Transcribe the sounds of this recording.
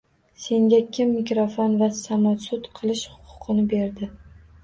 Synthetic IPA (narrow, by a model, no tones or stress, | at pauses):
se̞ŋɡʲakʲʰɪmːɪkɾofonvasamɒt̪sʊt̪qʰɨlˠɪʃhʊ̥qʰʊ̥qʰɨnɪbe̞ɾd̪ɪ